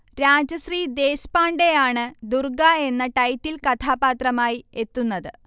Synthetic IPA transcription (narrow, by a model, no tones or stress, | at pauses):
ɾaːd͡ʑɐɕriːd̪e̞ːɕpaːɳɖe̞jaːɳɨd̪urɡae̞nːɐʈɐjtːilkɐt̪ʰaːbaːt̪rɐmaːjie̞t̪ːunːɐðɨ